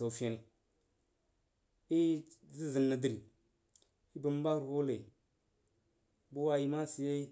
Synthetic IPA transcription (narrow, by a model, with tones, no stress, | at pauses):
o˨fa˦ni˨ | i˦zi˦zi˨lna˨di˦ɾi˨ | i˦bu˨m˦ba˦ɾɣu˦le˨ | bu˦wa˦ji˨ma˦si˨je˦